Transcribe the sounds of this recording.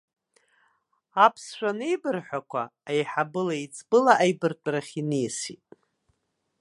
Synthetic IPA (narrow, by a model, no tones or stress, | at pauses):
apʰsʃʷᶣanejbɨrħʷakʷʰaajħabɨlait͡sʼbɨlaʔajbɨrtʼɾaχʲinijsitʼ